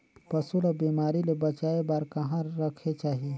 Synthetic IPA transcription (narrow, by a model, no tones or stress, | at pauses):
pɐsulabiːmaːɾilebɐt͡ʃaːebaːɾkɐɦãɾɐkʰet͡ʃaːɦie